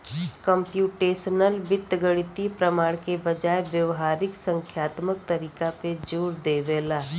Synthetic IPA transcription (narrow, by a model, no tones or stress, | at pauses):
kə̃mpjuːʈeːsənəlbɪt̪ːɡəɽɪt̪ipɾəmaːɽkebɐd͡ʒaːeʋjəʋɦaːɾɪksə̃ŋkʰjaːt̪mək̚t̪ɐɾiːkaped͡ʒuːɾd̪eːʋeːlaː